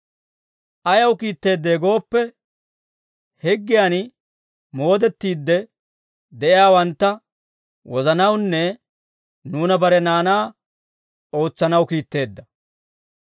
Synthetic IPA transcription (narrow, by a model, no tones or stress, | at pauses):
ʔɐjɐwkiːt̪ːe̞ːd̪ːe̞ːɡo̞ːpːɛ | hɛɡːɪjaːn | mo̞ːd̪ɛt̪ːiːd̪ːɛ | d̪ɛʔɪjaːwɐnt̪ːɐ | wɔzɐnɐwnːɛ | nuːnɐbɐɾɛnaːnaː | o̞ːt͡sːɐnɐwkiːt̪ːe̞ːd̪ːɐ